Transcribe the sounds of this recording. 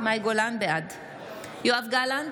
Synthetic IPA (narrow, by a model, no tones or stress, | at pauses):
majɡolanbead̪ | joafɡalan